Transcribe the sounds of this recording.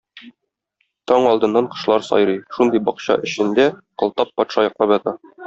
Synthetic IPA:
t̪ɒɴɒlˠd̪ɤ̆nːɑɴqɤ̥̆ʃlˠɑɾsɒ̰jɾɤjʃund̪ɤjbɒqɕɑ̰ʔɘ̆ɕɘ̆nd̪æqɤ̆lˠt̪ɑpːɒt̪ʃɑjɒqlˠɑbjɒt̪ɑ

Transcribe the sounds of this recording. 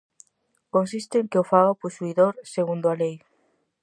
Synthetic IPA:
kõnsist̪eŋkeofaopusuiðoɾseɣund̪oalej

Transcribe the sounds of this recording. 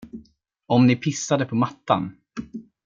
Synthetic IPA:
ɔmnɪpʰɪsːad̪əpʰɔmat̪ːa̰n

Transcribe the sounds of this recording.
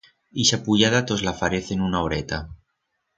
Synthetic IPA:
iʃapuʎaðat̪ozlafaɾeθenunaoɾet̪a

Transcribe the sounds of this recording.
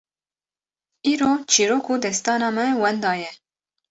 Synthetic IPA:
iːɾoːt͡ʃʰiːɾoːkuːd̪ɛst̪ɑːnɑːmɛwɛnd̪ɑːjɛ

